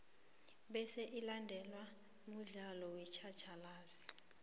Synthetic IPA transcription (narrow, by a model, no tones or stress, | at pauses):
ɓɛsɛʔilandʱɛlwa | muɮalɔwɛt͡ʃʰat͡ʃʰalaːzi